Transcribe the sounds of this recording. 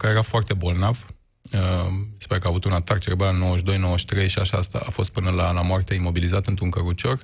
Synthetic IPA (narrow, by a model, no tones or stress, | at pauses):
kajeɾafoart̪e̞bo̞lnav | əmise̥paɾekəaːvut̪unat̪akt͡ʃeɾebano̞wəʃ̬d̪o̞jno̞wəʃt̪ɾe̞jʃiaʃast̪a̰afo̞st̪̚pɨnəlalamoart̪e̞imo̞bilizat̪ɨnt̪ɾuŋkəɾut͡ʃo̞r